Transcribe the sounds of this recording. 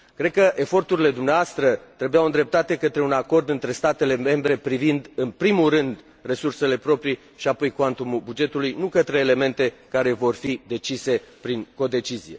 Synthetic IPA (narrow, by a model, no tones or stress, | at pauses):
kɾe̞d̪̚kəʔe̞fo̞rt̪uɾile̞d̪umneaast̪ɾət̪ɾebujawɨnd̪ɾe̞p̚t̪at̪e̞kət̪ɾe̞unako̞rd̪ɨnt̪ɾe̞st̪at̪e̞le̞me̞mbɾe̞pɾivind̪ɨnpɾimulrɨnd̪ | resurse̞le̞pɾo̞pɾi | ʃiapo̞jkoant̪umubud͡ʒe̞t̪ulujnukət̪ɾe̞ːle̞me̞nt̪e̞kaɾe̞vo̞rfid̪e̞t͡ʃise̞pɾiŋko̞d̪e̞t͡ʃizije̞̰